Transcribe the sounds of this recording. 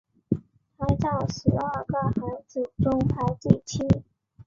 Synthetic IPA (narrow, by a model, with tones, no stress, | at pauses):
t̪ʰa˥ɪt͡sɑ˥˩ʊʂɻ̩˧˥ə˞˥˩ɡə˥˩xa˧˥ɪt͡su˨˩ʈ͡ʂʊ˥ŋpʰa˧˥ɪt͡ɕi˥˩t͡ɕʰi˥